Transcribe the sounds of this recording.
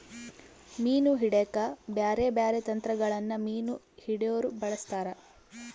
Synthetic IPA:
miːnuɦiɽekɐbjaːɾebjaːɾet̪ɐnt̪ɾɐɡɐɭɐnːɐmiːnu | hiɽejoːɾubɐɭɐst̪aːɾɐ

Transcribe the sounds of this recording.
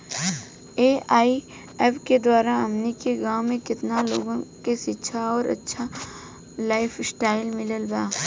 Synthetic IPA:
eːaːi | ɛpked̪waːɾaɐmnikeɡãːwmẽkɪt̪nalo̰ːɡõkeʃɪtːʃʰaɔːɾɐ̰tːʃʰa | laːɪfʰsʈaːɪlmɪləlbaː

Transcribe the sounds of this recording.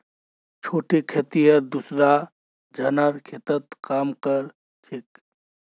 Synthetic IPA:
t͡ʃʰoːʈekʰet̪ijəɾd̪usɾa | d͡ʒʱɐnaɾkʰet̪ət̪kaːmkəɾ | ʈʰɪk

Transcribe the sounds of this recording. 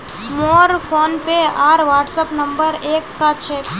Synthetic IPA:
moːɾpʰoːnpeaːɾʋaːʈsəpnɐ̃mbəɾeːkːat͡ʃʰɛːk

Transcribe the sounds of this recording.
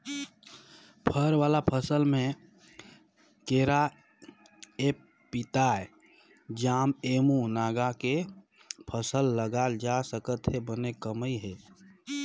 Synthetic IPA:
pʰəɾʋaːlapʰəsəlmẽ | keːɾa | eː | pɪt̪aːe | d͡ʒaːmeːmunaːɡake | pʰəsəlːəɡald͡ʒasəkət̪ɦebənekəməiɦɛː

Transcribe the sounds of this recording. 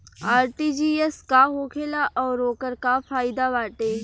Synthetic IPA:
aːɾʈiːd͡ʒiːeskaɦoːkʰeːlaʔɔːɾoːkəɾkafʰaːjd̪aʋaːʈeː

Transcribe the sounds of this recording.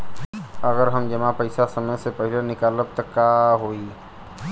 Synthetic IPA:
əɡəɾɦəmd͡ʒəmapəɪsasəməjsepəɦɪlenɪkaːləb̚t̪əkːaɦoːi

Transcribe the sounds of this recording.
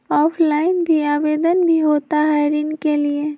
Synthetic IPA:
ɔːpʰlaːɪnbʱiaːʋeːd̪ənbʱiɦoːt̪aɦɛɾinkelie

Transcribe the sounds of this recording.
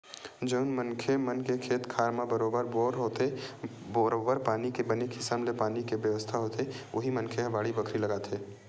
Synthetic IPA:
d͡ʒəʊnmənkʰemənkekʰeːt̪kʰaːɾmabəɾoːbəɾboːɾɦoːt̪e | oɾoːbəɾpaːnikebəneːkɦɪsamlepaːnikebjəʋəst̪ʰaɦoːt̪eʔʊɦimə̃nkʰeɦɐʋaːɽibəkʰɾiləɡaːt̪ʰeː

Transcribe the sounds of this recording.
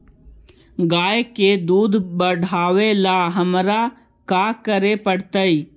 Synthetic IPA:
ɡaːjeked̪uːd̪bəɽ̤ʱaːʋelaɦəmɾa | kakəɾepəɽt̪əi

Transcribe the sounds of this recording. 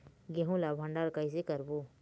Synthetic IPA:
ɡeɦũlabʱɐ̃ɳɖaɾkajs̬ekəɾbo

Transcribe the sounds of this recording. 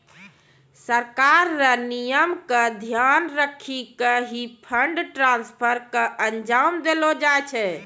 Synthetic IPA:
səɾkaɾːənijəmkəd̪ʱjanɾəkʰikəɦipʰəɳɖʈɾãnspʰəɾkəʔənd͡ʒamd̪elod͡ʒaet͡ʃʰɛ

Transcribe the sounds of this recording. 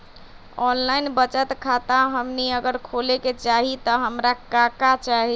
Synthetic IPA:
ɔnlainbət͡ʃət̪kʰat̪ãɦəmniəɡəɾkʰoleket͡ʃaɦit̪ɔɦəmɾakakat͡ʃaɦi

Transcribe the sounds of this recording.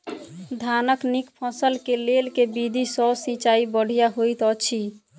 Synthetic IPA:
d̪ʱanəknikpʰəsəlkelelkebid̪ʱisɔsĩt͡ʃaibəɽ̤ijaɦojt̪ɔt͡ʃʰi

